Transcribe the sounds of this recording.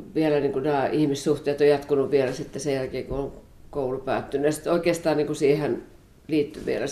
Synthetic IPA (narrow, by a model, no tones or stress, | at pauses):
ʋielæniːŋkunæːʔihmissuht̪eːt̪ojɑt̪kunuʋʋielæsit̪ːesejælkeːkuoŋ | koulupæ̰ːt̪ːynːyjɑsi̥t̪oikeːst̪ɑːnniːŋkusiːhen | liːt̪ːyʋḭelæ